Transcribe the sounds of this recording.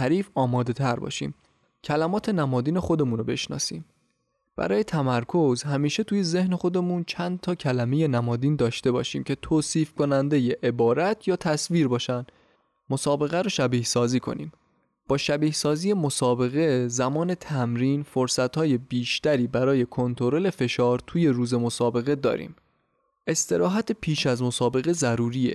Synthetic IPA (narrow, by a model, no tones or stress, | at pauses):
æɾiːfɒːmɒːd̪e̞t̪ʰæɾbɒ̰ːʃḭːm | cʰælæmɒːt̪ʰe̞næmɒːd̪iːne̞xo̞d̪e̞muːnobe̞̰ʃnɒ̰ːsḭːm | b̥æ̰ɾɒːje̞t̪ʰæmæɾkʰo̞zɦæmiːʃe̞t̪ʰuːje̞ze̞hne̞xo̞d̪e̞muːnt͡ʃʰænd̪̚t̪ʰɒːcʰælæme̞je̞næmɒːd̪iːnd̪ɒːʃt̪e̞bɒ̰ːʃḭːmcʰe̞t̪ʰoːsiːfkʰo̞nænd̪e̞jeʔebɒːɾæt̪ʰjɒːt̪ʰæsviːɾbɒːʃænd̪ | mo̞sɒːbe̞ɣæɾoʃæbiːhsɒːziːkʰo̞̰nḭːm | b̥ɒːʃæbiːhsɒːzije̞mo̞sɒːbe̞ɣe̞zæmɒːne̞t̪ʰæmɾiːnfoɾsæt̪hɒːje̞biːʃt̪æɾiːbæɾɒːje̞kʰont̪ʰo̞ɾo̞le̞fe̞ʃɒːɾt̪ʰuːjeɾuːze̞mo̞sɒːbe̞ɣe̞d̪ɒ̰ːɾḭːm | ʔe̞st̪e̞ɾɒːɦæt̪ʰepʰiːʃæzmo̞sɒːbe̞ɣe̞zæɾuːɾiːḛ